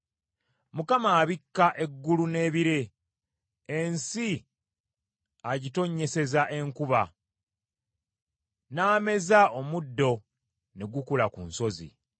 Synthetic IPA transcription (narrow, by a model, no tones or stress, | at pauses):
mukamaːβikːaʔe̞ɡːulune̞ːβiɾe | nsi | aɟito̞ɲːe̞se̞zaʔe̞ŋkuβa | naːme̞zaomudːo̞ | ne̞ɡukulakṵnso̞zḭ